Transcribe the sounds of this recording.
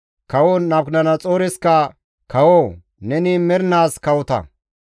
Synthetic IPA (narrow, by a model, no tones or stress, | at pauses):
kɐwonɐbknɐnɐt͡sʼoːɾɪskɐ | kɐwoː | nɛnɪmɛɾnaːskɐwʊt̪ɐ̰